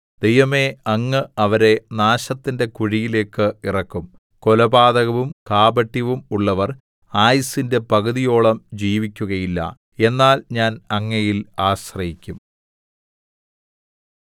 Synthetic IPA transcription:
d̪̥e̞jʋɐme̞ɐŋːɨɐʋɐɾe̞naːɕɐt̪ːinde̞kuɻijile̞ːkːɨirɐkːum | ko̞lɐbaːðɐɣɐʋumkaːbɐʈːiʋumuɭːɐʋɐr | aːjisinde̞pɐɣuðijo̞ːɭɐmd͡ʑiːʋikʲːuɣɐjilːɐ̰ | e̞nːaːlɲaːnɐŋːɐjilaːɕrɐjikʲːum

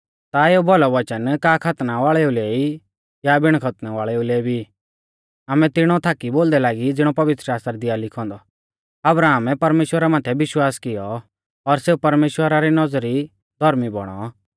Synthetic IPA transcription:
t̪aeubɔlɔʋɐt͡ʃənkaːkʰɐt̪naʋaːɭɛuleːi | jabɪɽ̃kʰɐt̪naʋaːɭɛulɛːbʱi | aːmɛt̪ɪɽ̃ɔt̪ʰaːkiboːld̪ɛlaːɡid͡zɪɽ̃ɔpɐʋɪt̪ɾʃaːst̪ɾad̪ɪjalɪkʰɔ̃ːnd̪ɔ | ɐbɾaːmɛpɐɾmeːʃwəɾamaːt̪ʰɛbɪʃwaːskɪjɔ | ɔɾseːupɐɾmeːʃwəɾaɾinɔd͡zɾi | d̪ʱɔɾmibɔɽ̃ɔ

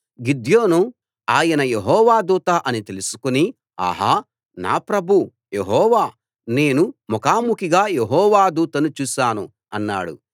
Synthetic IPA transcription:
ɡid̪jo̞ːnu | aːjɐnɐjeɦɔːʋaːd̪uːt̪aʔɐnit̪e̞lusu̥kuni | a̰ɦaː | na̰ːpɾɐbʱu | jeɦɔːʋaː | ne̞ːnumɔkaːmukiɡaːjeɦɔːʋaːd̪uːt̪ɐnut͡ʃuːʃaːnu | ɐnːa̰ːɽṵ

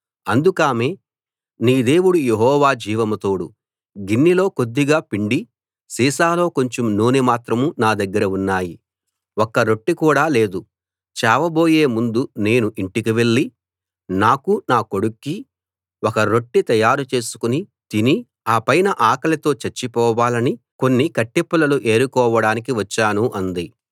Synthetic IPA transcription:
ɐnd̪ukaːmeː | niːd̪e̞ːwuɽujeɦɔːʋaːd͡ʒiːʋɐmɐt̪oːɽu | ɡinːilo̞ːko̞d̪ːiɡaːpiɳɖi | siːsaːlo̞ːko̞ɲt͡ʃomnuːnemaːt̪ɾɐmunaːd̪ɐɡːɐɾɐunːaːji | okːɐɾo̞ʈːikuːɽaːle̞ːd̪u | t͡ʃaːʋɐbo̞ːje̞ːmund̪une̞ːnuʔiɳʈikiʋe̞ɭːi | naːkunaːko̞ɽukːi | wokɐɾo̞ʈːit̪ɐjaːɾut͡ʃe̞ːsu̥kuni | t̪ini | aːpɐjnɐʔaːkɐlɐt̪o̞ːt͡ʃɐɾt͡ʃːipɔːʋaːlɐni | ko̞nːikɐʈːipːɐlɐluʔe̞ːɾukɔːʋɐɽaːnikiʋɐt͡ʃːaːnuʔɐnd̪i

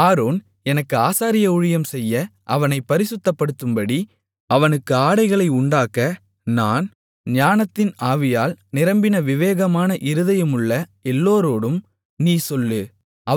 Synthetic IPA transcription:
aːɾoːn | ɛnɐkːɯaːsaːɾɪjɐʊɻɪjɐmsɛjːɐʔɐʋɐnɐɪpːɐɾɪsɯt̪ːɐpːɐɽɯt̪ːɯmbɐɽi | ɐʋɐnɯkːɯaːɽɐɪɣɐɭɐɪʊɳɖaːkːɐ | naːn | ɲaːnɐt̪ːɪnaːʋɪjaːlnɪɾɐmbɪnɐʋɪʋeːɣɐmaːnɐʔɪɾɯðɐjɯmʊɭːɐɛlːoːɾoːɽɯm | niːsɔlːɯ | ʔɐ

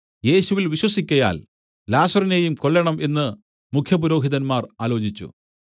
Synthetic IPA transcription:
je̞ːɕuʋilʋiɕwɐsikʲːɐja̰ːl | laːsɐrine̞ːjumkoɭːɐɳɐmʔe̞nːɨ | mukʰjɐpuɾo̞ːɦiðɐnmaːraːlo̞ːd͡ʑit͡ɕːṵ

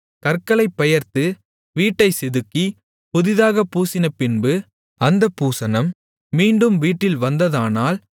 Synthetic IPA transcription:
kɐrkːɐɭɐɪpːɐjɐɾt̪ɯ | ʋiːʈːɐɪsɪðɯkːi | pʊðɪðaːɣɐpːuːsɪnɐpɪnbɯ | ɐnd̪ɐpːuːsɐnɐmː | iːɳɖɯmʋiːʈːɪlʋɐnd̪ɐðaːnaːl

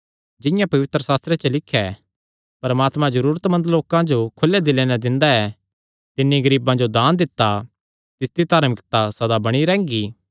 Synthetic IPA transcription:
d͡ʒɪ̃jãpɐʋɪt̪ɾəsaːst̪ɾet͡ʃəlɪkʰːjɛ | pɐɾmaːt̪mãzɐɾuːɾət̪mɐ̃nd̪loːkãd͡ʒokʰʊlːɛd̪ɪlenɛd̪ɪ̃nd̪aɛ | t̪ɪnːiɡɐɾiːbãd͡ʒod̪aːnd̪ɪt̪ːa | t̪ɪsd̪it̪aːɾmɪkt̪asɐd̪abɐɽ̃iɾɛ̃ːŋɡiː

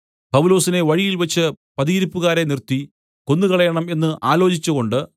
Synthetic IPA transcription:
pɐʋulo̞ːsine̞ʋɐɻijilʋɐt͡ɕːɨ | pɐðiːɾipːuɣaːɾe̞nirt̪ːi | ko̞nːukɐɭɐjɐɳɐme̞nːɨʔaːlo̞ːt͡ɕit͡ɕːuɣo̞ɳɖɨ

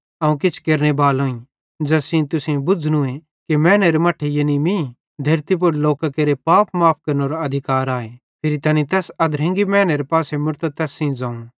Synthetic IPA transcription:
ɐũkɪt͡ʃʰkeːɾñebaːlõːĩ | d͡ʒɐsĩt̪ʊsẽbʊd͡znũẽ | kimɛ̃ːneɾemɐʈʰːejenimĩ | d̪ʱɐɾt̪ip̬ʊɾloːkakeɾepaːpmaːp̚ʰkɐɾnoɾaɐd̪ʱɪkaːɾaːe | pʰɪɾit̪ɐːnit̪ɛːsɐd̪ɾɐ̃ŋɡimɛ̃ːneɾepaːsemʊɾt̪at̪ɛːsĩd͡zãːũ

